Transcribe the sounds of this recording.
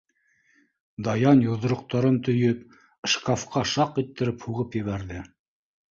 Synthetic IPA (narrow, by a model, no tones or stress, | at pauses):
d̪ɑjɑnjuðɤ̆ɾŏq̚t̪ɑɾɤmnt̪ɵ̆jɵp̚ | ʃkafqɑʃɑqit̪ːɘ̆ɾɘphuʁɤpjɘ̆βæɾðɘ